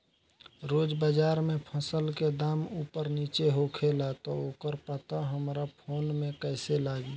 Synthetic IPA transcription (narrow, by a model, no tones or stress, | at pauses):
ɾoːd͡ʒbəd͡ʒaːɾmẽpʰəsəlked̪aːmuːpəɾniːt͡ʃeɦokʰelat̪ɔokəɾpət̪aɦəmɾapʰoːnmẽkəɪselaːɡi